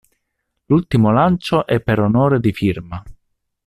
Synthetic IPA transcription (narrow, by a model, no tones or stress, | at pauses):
lult̪imolant͡ʃoʔɛpːeɾonoːɾed̪ifirma